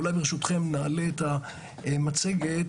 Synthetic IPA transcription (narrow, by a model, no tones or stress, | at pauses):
ulajbeʁeʃut̪χe̞mnaːle̞ːta | mat͡se̞ɡet